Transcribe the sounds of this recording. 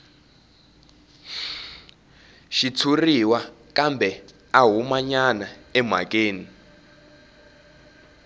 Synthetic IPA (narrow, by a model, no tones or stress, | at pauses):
ʃitʰuriwakʼambʱɛ | aɦumaɲanaɛmwa̰kʼeːni